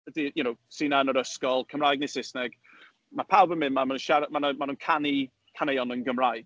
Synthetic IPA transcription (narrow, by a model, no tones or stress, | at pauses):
ədijunowsiːnaənəɾəskɔlˠkʰəmrajɡ̚nɪsɪsnɛɡ̥ | mapʰawbənmɪnmamanunʃaɾmanəmanuːnkʰani | kʰanejɔnənɡəmrajɡ̥